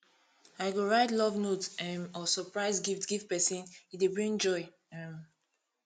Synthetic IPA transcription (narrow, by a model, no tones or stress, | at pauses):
aɪɡoɹaɪtlɔvnotɛmɔsɔpɹaɪzɡiftɡiftpɛsĩnidebɹĩŋd͡ʒɔɪ | ɛ̃m